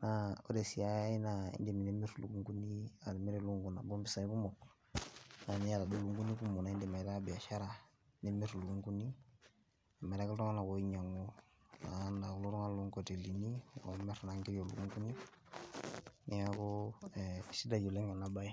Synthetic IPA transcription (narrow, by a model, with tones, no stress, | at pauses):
na˨˦o̰˦de˨si˨a˦ja˦i˦na˨ḭ˦nde˨mi˨ne˦me˦ɾu˨lu˨ku˦ŋku˦ni˦a˨dme˦ɾe˨lu˦ŋɡu˨na˨bɔ˦mbi˦sa˨˦ku˦mɔ˨ | na˨ni˦ja˦da˨do˦lu˦ŋɡu˦ni˦ku˦mo˨na˨˦i˦ndi˨ma˨i˨ta˦bɛ˨a˨ʃa˦ɾa˨ | ne˦me˦ɾu˨lu˨ku˦ŋku˦ni˦ | e˨ma˨ɾa˦ku˦ltɔ˦ŋa˦na˨ko˨˦i˦ɲa˨ŋo˦ | na̰˨˦na˨ku˦lu˦ɾɔ˦ŋa˦lu˦ŋkɔ˨te˨li˨ni˦ɔ̰˨˦mɛ˦ɾna˨˦ŋɡi˦o˨lṵ˨u˦ŋku˦ni˦ | ni˦ja˦ko˦˨ | si˦da˨d͡ʒo˨le˦ŋa˨na˦ba˦i˦